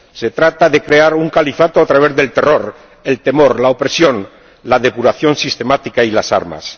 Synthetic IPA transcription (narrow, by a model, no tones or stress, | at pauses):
se̞t̪ɾat̪aðe̞kɾe̞aɾuŋkalifat̪oat̪ɾaβ̞e̞zðe̞lt̪e̞ro̞ɾ | e̞lt̪e̞mo̞ɾlaopɾe̞sjo̞n | laðe̞puɾaθjo̞nsist̪e̞mat̪ikailasa̰ɾma̰s